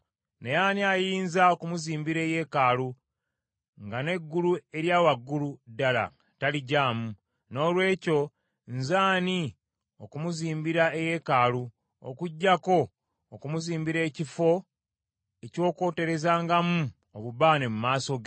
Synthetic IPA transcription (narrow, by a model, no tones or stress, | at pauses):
nejaːniajiːnzaokumuziːmbiɾe̞ːje̞ːkaːlu | ŋɡane̞ɡːulue̞ɾjaːwaɡːuludːala̰ | taliɟaːmu | no̞ːlwe̞ːco̞ | nzaːni | okumuziːmbiɾae̞je̞kaːlu | o̰kuɟːako̞ː | kumuziːmbiɾe̞ːcifo̞ | e̞co̞ːko̞ːte̞ɾe̞zaːŋɡamu | oβuβaːnemumaːsoɡ